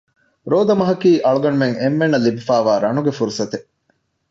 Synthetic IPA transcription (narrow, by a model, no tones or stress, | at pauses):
ɾoːd̪ɐmɐɦɐkiːʔɐɭuɡɐnumeŋemːenːɐlibifæːʋaːɾɐnuɡefuɾusɐt̪e